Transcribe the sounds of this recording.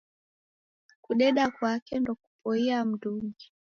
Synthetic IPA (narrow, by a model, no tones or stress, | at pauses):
kuɗɛɗakwakɛndɔku̥pɔiam̩ɗuŋɡi